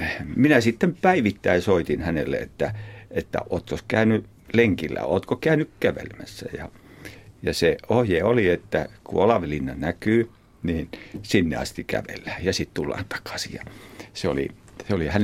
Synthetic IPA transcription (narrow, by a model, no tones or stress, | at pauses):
minæsit̪ːempæiʋit̪ːæisoit̪inhænḛlːḛḛt̪ːæet̪ːæ̰ʔoːt̪koskæyny | leŋkilːæ̰o̰ːt̪kokæynykkæʋḛlmæsːæjɑ | jɑseohjeːoliet̪ːækṵɑlɑʋilinːɑnækyː | niːnsinːḛɑ̰st̪ikæ̰ʋḛlːæːjɑsit̪t̪ulːɑ̰ːnt̪ɑ̥kɑ̥sijɑseo̰lḭ | seolihæn